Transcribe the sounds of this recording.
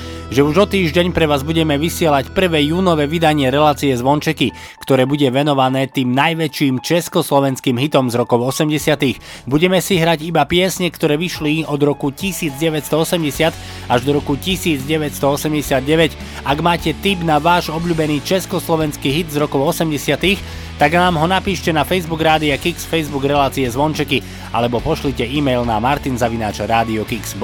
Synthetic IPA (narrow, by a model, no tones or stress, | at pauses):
ʒɛuʒɔt̪iːʒɟɛɲpɾɛʋaːzbuɟɛmɛʋisɪɛlacpr̩ʋɛːjuːnɔʋɛːʋid̪aɲɪɛɾɛlaːt͡siɛzʋɔnt͡ʃɛki | kt̪ɔɾɛːbuɟɛʋɛnɔʋanɛːt̪iːmnajʋɛt͡ʃiːmt͡ʃɛskɔslɔʋɛnskiːmɦit̪ɔmzɾɔkɔʊɔsɛmɟɛsɪat̪ix | buɟɛmɛsiɦɾaɟibapɪɛsɲɛkt̪ɔɾɛːʋiʃliɔd̪ɾɔkucisiːd͡zɟɛʋɛcst̪ɔɔsɛmɟɛsɪat̪ | aʒd̪ɔɾɔkucisiːd͡zɟɛʋɛtst̪ɔɔsɛmɟɛsɪad̪̚ɟɛʋɛc | aɡmaːcɛt̪ibnaʋaːʒɔbʎuːbɛniːt͡ʃɛskɔslɔʋɛnskiɦid̪zɾɔkɔʊɔsɛmɟɛsɪat̪ix | t̪aɡnaːmɦɔnapiːʃcɛnafɛjzbuɡɾaːd̪iakiksfɛjzbuɡɾɛlaːt͡siɛzʋɔnt͡ʃɛki | a̰lɛbɔpɔʃlicɛiːmɛjlnamaɾt̪inzaʋinaːt͡ʃaɾaːd̪iɔkiks